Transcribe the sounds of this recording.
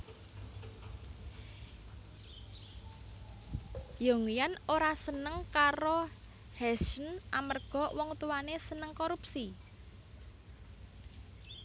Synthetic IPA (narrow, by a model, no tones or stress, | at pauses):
joŋijanoɾasənəŋkaɾo | hɛsənʔamərɡ̥ɔ̤wɔŋt̪uwanesənəŋkoɾupsi